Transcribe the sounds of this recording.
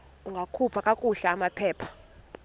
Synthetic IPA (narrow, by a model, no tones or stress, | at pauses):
uŋɡʱakʰupʰakʼakʼuɬaːmapʰɛːpʰḁ